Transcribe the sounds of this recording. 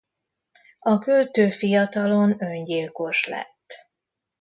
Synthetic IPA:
ɒkølt̪øːfijɒt̪ɒlo̞nøɲɟilko̞ʃlɛ̰t̪ː

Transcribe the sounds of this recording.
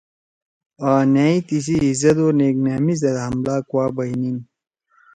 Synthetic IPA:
aːnaːit̪is̬iizɐt̪oːneːknaːmizɐd̪aɦɐmlaːkwaːbɐinin

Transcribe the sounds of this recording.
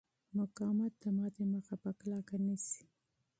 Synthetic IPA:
mʊkɑmat̪̚d̪əmɑd̪eməxapəklɑkanisi̥

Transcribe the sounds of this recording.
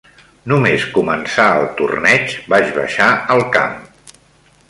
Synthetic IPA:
numeskumənsaəlˠt̪urnɛt͡ʃbat͡ʃβə̰ʃaəlˠka̰m

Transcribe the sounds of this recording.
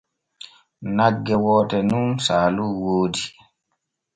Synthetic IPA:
naɡːɛwɔːtɛnumsaːluwoːdi

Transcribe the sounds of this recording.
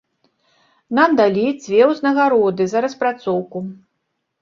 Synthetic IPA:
namd̪alʲit͡sʲvʲɛwznɐɣaɾɔd̪ɨzɐɾɐspɾat̪sɔwku

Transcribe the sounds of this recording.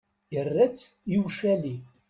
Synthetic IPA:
jərːæt͡sː | jiwʃæli

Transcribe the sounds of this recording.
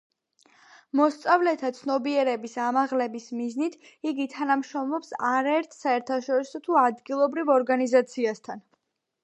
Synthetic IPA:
mɔst̪sʼavlɛt̪ʰat̪sʰnɔbiɛɾɛbisamaʁlɛbismiznit̪ʰ | iɡit̪ʰanamʃɾɔmlɔpsaɾaɛɾt̪ʰsaɛɾt̪ʰaʃɔɾisɔt̪ʰuad̪ɡilˠɔbɾivɔɾɡanizat̪sʰiast̪ʰan

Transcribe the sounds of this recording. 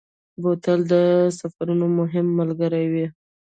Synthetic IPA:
bot̪əld̪əsafaɾunomʊɦɪmːəlɡəɾajwi

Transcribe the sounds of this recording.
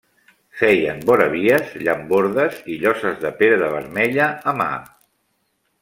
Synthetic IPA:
fɛjənbɔɾəβ̞iəzʎəmboɾðəziʎɔsəzðəpeɾəðəβ̞əɾmɛʎəːma̰

